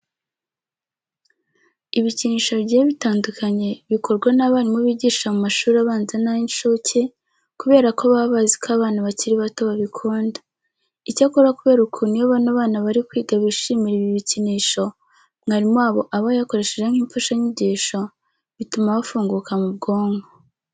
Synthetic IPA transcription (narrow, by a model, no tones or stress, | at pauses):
iβiciniːʃo̞βɟeeβitaːndukʰaɲe̞βiko̞ɾɡwanaβaːɾimuβiːɟiːʃʃamumaʃuːɾaβaːnzenainʃocʰe̞ | kuβe̞ːɾakoβaβaːzikʰaβaːnaβaciɾiβato̞βaβikʰuːnda | icakoɾakuβe̞ːɾukʰuːnijoβanaβaːnaβaɾikwiːɡaβiʃimiɾiβiβiciniːʃo̞ | mhaɾimwaːβo̞ʔaβajako̞ɾe̞ʃeʒe̞ŋ̥hiːmfaʃaɲiɟiːʃo̞ | βitumaβafuːŋɡukamub̚ɡo̞ːŋɡo